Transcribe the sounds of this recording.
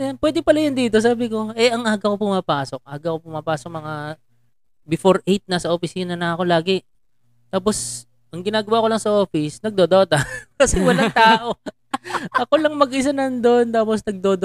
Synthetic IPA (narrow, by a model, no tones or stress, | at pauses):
ɐnpwɛːd̪ɪpɐlajɐnd̪iːt̪o̞s̬aːbɪko̞ʔɛʔɐŋʔaːɡɐkopʊmaːpaːso̞k̚aɡɐkopʊmapaːsok̚mɐŋa | bɪfoɾʔejt̪̚nɐsɐʔopɪsiːnɐnɐɐko̞laːɡɛ | t̪aːp̬o̞s | ʔɐŋɡɪnaːɡɐwaːkolɐŋsɐʔoːfɪsnɐɡ̚d̪od̪oːt̪ɐkɐsɛwɐlat̪aːʔo̞ | ʔɐko̞lɐŋmɐɡʔɪs̬anɐnd̪ont̪aːposnɐɡ̚d̪oːd̪